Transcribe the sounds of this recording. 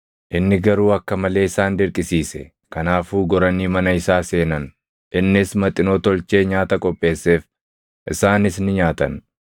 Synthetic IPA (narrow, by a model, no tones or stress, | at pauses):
ʔɪnːɪɡɐɾuːɐkːɐmɐle̞ːɪsaːnd̪ɪɾkʼɪsiːsɛ̰ | kɐnaːfuːɡɔɾɐnːiːmɐnɐɪsaːse̞ːnɐn | ʔɪnːɪsmɐt̪ʼɪnot̪ɔlt͡ʃe̞ːɲaːt̪ɐkʼɔpʼːe̞ːsːe̞ːf | ʔɪsaːnɪsnɪɲaːt̪ɐ̰n